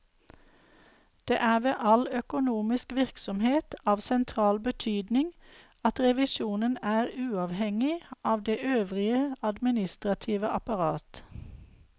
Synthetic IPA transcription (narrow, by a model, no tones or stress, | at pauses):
d̪̥ḛːʔæːʋeːʔɑlœkʊnuːmɪskʋɪʁksɔmheːt̪ɑːʋsɛnt̪ʰʁɑːlbət̪ʰyːd̪nɪŋ | ɑt̪ʁɛʋɪʃuːnənæːʁʉːɑːʋhɛŋɪʔɑːʋd̪eːʔøːʋʁɪəɑd̪mɪnɪst̪ʁɑt̪ʰiːʋəʔɑpɑʁɑːt̪